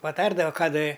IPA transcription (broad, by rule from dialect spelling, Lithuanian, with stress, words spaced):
pɐˈtɐrdɐʋɐ ˈkɑː dɐ